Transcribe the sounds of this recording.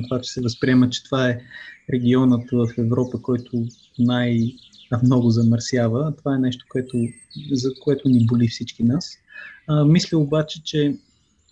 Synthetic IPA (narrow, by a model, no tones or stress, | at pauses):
k̪ovat͡ʃɛ̥sɛvəspɾiɛmət͡ʃɛ̥t̪ovaɛɾɛɡʲiɔnət̪vəfɛvɾɔpəkɔjt̪ʰʊ | naj̪ | mnɔɡʊzɐməɾsjavət̪ovaɛnɛʃt̪o̥koɛt̪ʊ | zɐkoɛt̪ʊnibolifsit͡ʃkinas | mislʲəʊbat͡ʃɛt͡ʃɛ